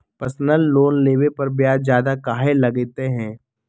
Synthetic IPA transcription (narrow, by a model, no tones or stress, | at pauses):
pəɾsnəlːoːnleːʋepɐɾbjaːd͡ʒjaːd̪akaːɦelɐɡet̪eɦɛ̃ː